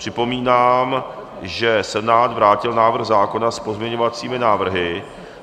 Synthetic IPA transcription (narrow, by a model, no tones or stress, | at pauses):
r̝̥ɪpo̞miːnaːm | ʒɛsɛnaːd̪vɾaːcɪlnaːvr̩ɣzaːko̞naspo̞zmɲɛɲovat͡siːmɪnaːvr̩ɦɪ